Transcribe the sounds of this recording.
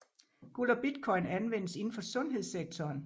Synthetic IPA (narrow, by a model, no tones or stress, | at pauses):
ɡ̥ulɒb̥id̥kʰɒ̽ɪnænʋen̰əse̝n̩fɒ̽sɔ̽nɦe̝ð̞̰ˠseɡ̥̚t͡sʰɒːn